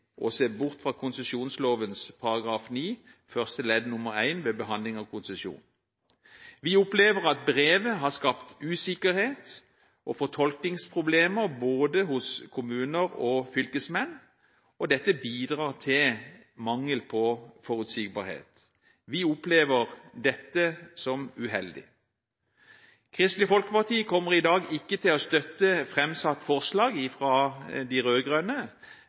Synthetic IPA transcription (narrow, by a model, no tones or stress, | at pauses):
ʔɔseːbʊʁt̪fʁɑːkʰʊnsəsjuːnsloːʋənspʰɑʁɑɡʁɑːfniː | fœʁst̪əlɛd̪nʊməʁæɪnʋeːbəɦɑnd̪lɪŋɑʋkʰʊnsəsjṵːn | ʋɪʊpleːʋəʁɑt̪̚bʁeːʋəɦɑskɑpt̪ʉːsɪkəʁheːt̪ | ʔɔfɔt̪ʰɔlknɪŋspʰʁʊbleːməʁboːd̪əhʊskʰʊmʉːnəʁɔfʏlkəsmɛn | ɔd̪ɛt̪ːəbiːd̪ʁɑːʁt̪ʰɪl | mɑŋːəlpʰɔfɔʁʉt̪siɡ̚bɑ̰ːʁhḛːt̪ | ʋɪʊpleːʋəʁd̪ɛt̪ːəsɔmʉɦɛld̪ɪ̰ | kʰʁɪst̪lɪfɔlkəpɑt̪ʰiːkʰɔmːəʁɪd̪ɑːɡɪkːət̪ʰɪlɔst̪œt̪ːəfʁɛmsɑt̪ːfɔʁslɑːɡɪfʁɑːd̪ɪʁøːɡʁœnə